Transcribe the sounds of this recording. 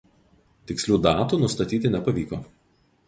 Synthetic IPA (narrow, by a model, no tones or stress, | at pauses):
t̪ʲɪksʲlʲuːd̪ɑːt̪uːnʊst̪ɐt̪ʲiːt̪ʲɪnʲɛpɐʋʲiːkoː